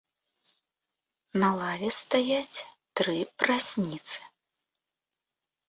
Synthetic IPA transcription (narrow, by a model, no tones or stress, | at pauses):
nɐlˠavʲɛst̪ajat͡sʲt̪ɾɨpɾasʲnʲit̪sɨ̥